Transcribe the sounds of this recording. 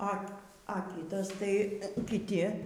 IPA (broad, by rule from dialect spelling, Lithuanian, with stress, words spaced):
ɐ ɐ ˈkʲiːtɐs tɐɪ kʲɪˈtʲɪ